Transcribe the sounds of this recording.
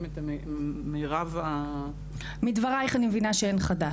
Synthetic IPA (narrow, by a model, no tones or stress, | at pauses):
met̪ameʁava | mid̪vaʁaeχanimevinaʃeenχad̪a